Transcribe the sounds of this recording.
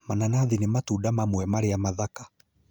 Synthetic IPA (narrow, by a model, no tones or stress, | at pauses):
mananaðinematudamamwɛmaɾeamaðakḁ